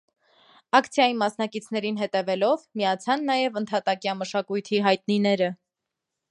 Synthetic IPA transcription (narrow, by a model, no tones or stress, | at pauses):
ɑkt͡sʰjɑjimɑsnɑkit͡sʰn̪ɛɾinɦɛt̪ɛvɛlɔvmijɑt͡sʰɑnːɑjɛvənt̪ʰɑt̪ɑkjɑməʃɑkujt̪ʰiɦɑjt̪ninɛɾə